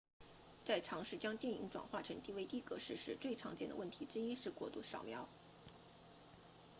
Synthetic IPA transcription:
t͡sa˥˩ɪʈ͡ʂʰɑ˧˥ŋʂɻ̩˥˩t͡ɕjɑ˥ŋt̪jɛ˥˩nḭ˧˥ŋʈ͡ʂwa̰˨˩nxwa˥˩ʈ͡ʂʰɤ˧˥ŋt̪i˥˧we˥˧ɪt̪i˥˩kɤ˧˥ʂɻ̩˥˧ʂɻ̩˥˧t͡swe˥˩ɪʈ͡ʂʰɑ̰˧˥ŋt͡ɕjɛ˥˩nd̪ə̰˧wə˥˩nt̪ʰi˧˥ʈ͡ʂɻ̩˥i˥ʂɻ̩˥˧kwɔ̰˥˧˩t̪u˥˩ʂɑ˨˩ʊmjɑ˧˥ʊ

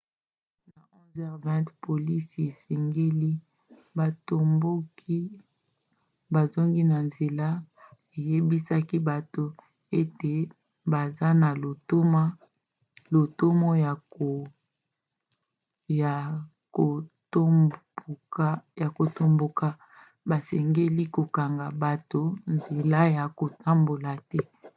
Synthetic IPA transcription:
na˨ɔ̃˦zɛ˦ʁvɛ̃˦tpo˨li˦se˨sɛ˨ŋɡe˦li˦ | ba˨to˨mbo˦ki˦ | ba˨zo˦ŋɡi˦na˨nze˨la˦ | e˨je˦bi˦sa˦ki˦ba˨to˨ | e˦te˨ | ba˨za˦na˨lo˨to˦ma˦ | lo˨to˦mo˦ja˨o˨ | ja˨ | ko˨to˦˨˦ | ja˨ko˨to˨mbo˨ka˦ | ba˨sɛ˨ŋɡe˦li˦ko˨ka˨ŋɡa˨ba˨to˨nze˨la˦ja˨ko˨ta˦mbo˨la˨tɛ˦

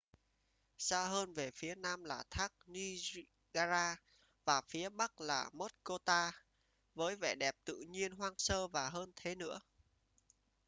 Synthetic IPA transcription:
saː˧ɦəː˧nve˨˩fi˨˦ənaː˧mlaː˨˩t̪ʰaː˦˥k̚ni˧z | ɣaː˧zaː˧ | vaː˨˩fi˨˦əɓa˦˥k̚laː˨˩mo˦˥t̚ko˧t̪aː˧ | vəː˨˦jvɛ̰˧˩ɗɛ˨˩p̚t̪ɨ̰˧˨ɲi˧ənɦwaː˧ŋsəː˧vaː˨˩ɦəː˧nt̪ʰe˨˦nɨ̰˧˥ə

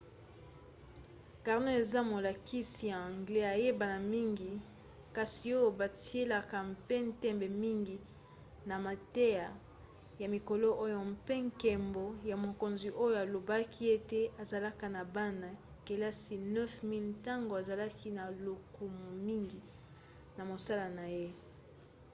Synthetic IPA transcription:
ka˨ʁno˦e˨za˦mo˨la˨ki˦si˨ja˨ã˨ŋɡle˦a˨je˦ba˨na˨mi˦ŋɡi˨ | ka˨si˨o˦jo˦ba˨ti˨˦e˦la˦˨ka˨m̩˦pe˦n˦tɛ˦mbe˨mi˦ŋɡi˨ | na˨ma˨te˦ja˨ | ja˨mi˨ko˨lo˦ʔo˦jo˨m̩pe˦ŋkɛ˨mbo˨ja˨mo˨ko˨nzi˨ʔo˦jo˨a˨lo˨ba˦ki˦e˦te˦a˨za˨la˦ka˨na˨ba˦na˨ | ke˨la˦si˨nɛ˦fmi˦lta˦ŋɡo˨a˨za˨la˦ki˦na˨lo˨ku˨mu˨mi˦ŋɡi˨ | na˨mo˨sa˦la˨na˨je˦

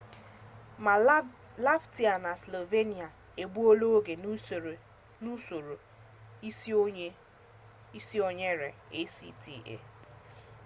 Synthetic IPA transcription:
ma˨ | la˦fti˨˦a˨na˨slo˨ve˦ni˨a˨ | e˨ɡ͡bu˦o˦lo˦ɡe˨n˦˨ | nu˦o˨ɾo˨˦ | i˦si˦o˨ɲe˦ɾe˨e˦sḭ˦tḭ˨ḛ˨

